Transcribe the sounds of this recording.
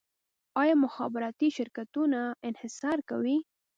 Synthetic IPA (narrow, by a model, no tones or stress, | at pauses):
ɑjɑmʊxɑbɪɾɑt̪iʃɪɾkat̪unaɪnhɪsɑɾka̰wi